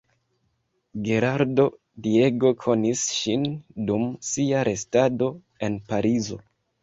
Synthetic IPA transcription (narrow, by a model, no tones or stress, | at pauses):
ɡe̞ɾaɾdo̞ | die̞ɡo̞kʰo̞nisʃindumsiaɾʔe̞stado̞ | e̞npaɾizo̞